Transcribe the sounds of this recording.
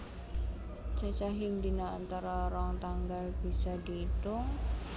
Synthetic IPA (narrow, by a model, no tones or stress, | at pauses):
t͡ʃat͡ʃaɦɪŋd̪inaːnt̪aɾaɾɔŋt̪aŋɡalb̥i̤sad̪iːt̪ʊŋ